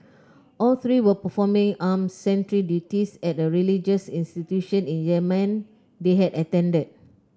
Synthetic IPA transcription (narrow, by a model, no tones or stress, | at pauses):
ʔɔlt̪ɹiwəpəfɔmĩŋamsɛ̃ntɹidjutisɛt̚dəɹilid͡ʒəsĩnstitjuʃə̃nĩnjɛmɛ̃n | deɦɛdətɛ̃ndət̚